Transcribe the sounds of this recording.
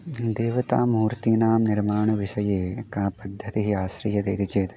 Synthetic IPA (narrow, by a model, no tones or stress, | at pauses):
d̪eːʋɐt̪a̰ːmuːɾt̪iːnaːmniɾmaːɳɐʋiʃɐjeːkãːpɐd̪ʱːɐt̪iɦiaːʃɾiːjɐd̪ɐjd̪it͡ʃeːt̪